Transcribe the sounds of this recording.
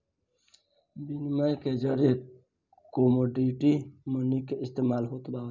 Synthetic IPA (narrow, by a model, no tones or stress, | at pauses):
binmajked͡ʒəɾe | komoɖiʈimənikeʔist̪emalɦot̪ba